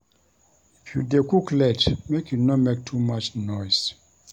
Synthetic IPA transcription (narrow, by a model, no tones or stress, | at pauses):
fjṵdekuklɛtmekjunɔmek̚tʰumat͡ʃnɔjs